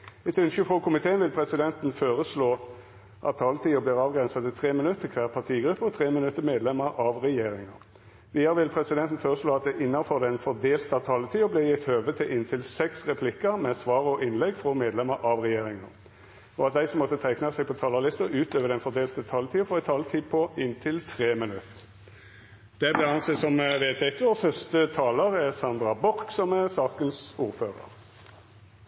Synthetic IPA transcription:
ɛt̪ʉnʃəfʁɔkʰʊmɪt̪ʰeːənʋɪlpʰʁɛsɪd̪ɛnt̪n̩føːʁəsloː | ʔɑ̰t̪ʰːɑlət̪ʰiːʊbliːʁɑːʋɡʁɛnsɑd̪ɪt̪ʰʁeːmɪnʉt̪ːəkʰʋæːʁpʰɑʁt̪ʰiːɡɾʉpːəɔt̪ʰʁeːmənʉt̪ːəmeːd̪lɛmːəɾɑʋʁɛjeːɾɪŋə̰ʁ | ʋiːəɾʋɪlpʰʁɛsɪd̪ɛnt̪n̩føːʁəsloːɑt̪̚d̪ɛʔɪnːɑnfɔʁd̪ɛnfɔʁd̪eːlt̪ɑʋt̪ʰɑlːət̪ʰiːʊbleːjɪt̪ːhøːʋət̪ʰɪlʔɪnt̪ʰɪlsɛksʁɛpʰlɪkːəɾmɛsʋɑːʁɔʔɪnlɛɡfʁɔmeːd̪lɛməɾʔɑʋʁɛjeːɾɪŋə̰ʁ | ɔɑt̪̚d̪æɪsɔmːɔt̪ːət̪ʰæɪknəsɛɪɡ̚pʰɔt̪ʰɑːlɑlɪst̪əɔʔʉːt̪øːʋəd̪ɛnfɔd̪eːlt̪ət̪ʰɑːlət̪ʰiːɔfɔʁɛɪt̪ʰɑːlt̪ʰiːpʰɔɪnt̪ʰɪlt̪ʰʁeːmɪnʉt̪ | d̪̥ɛblɛɑnsesɔmʋeːt̪ʰɛkəɔfœst̪ət̪ʰɑːləʁɛʁsɑnd̪ʁɑbɔʁksɔmæʁsɑːkənsuːɾføːʁə̰ʁ

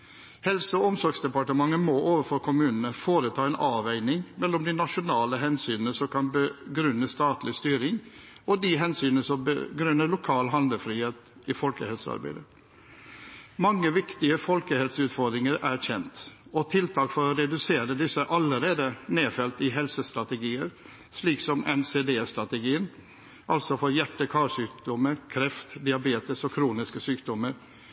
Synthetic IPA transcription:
hɛlsəɔɔmsɔɾɡsd̪ɛpɑʈəmɑŋːəmɔʔoːʋəɾfɔɾkʰʊmʉːnənəfoːɾət̪ʰɑːɛnʔɑːʋæɪnɪŋmɛlːɔmd̪ɪnɑʂʊnɑːləɦɛnsyːnənəsɔmkʰɑnbəɡɾʉnːəst̪ɑːt̪lɪst̪yːɾɪŋɔd̪ɪɦɛnsyːnəsɔmbə̰ɡɾʉnːəɭʊkʰɑːlɦɑnd̪əfɾiːheːt̪ʔɪfɔlkəhɛlsəɑ̰ɾbæ̰ɪd̪ə | mɑŋːəʋɪkt̪ɪəfɔlkəhɛlsəʉːt̪fɔɾd̪ɾɪŋəɾæɾçɛnt̪ɔt̪ʰɪlt̪ʰɑːkfɔɾɔɾɛd̪ʉseːɾəd̪ɪsːəʔɑləɾeːd̪əneːfɛlt̪ɪɦɛlsəst̪ɾɑt̪əɡiːəɾ | ʂliːksɔmɛ̰nseːd̪eːst̪ɾɑt̪əɡiːən | ʔɑlsɔfɔɾjæʈːəkʰɑːʂyːkd̪ɔməɾkʰɾɛft̪d̪ɪɑbeːt̪əsɔkʰɾuːnɪskəsyːkd̪ɔməɾ

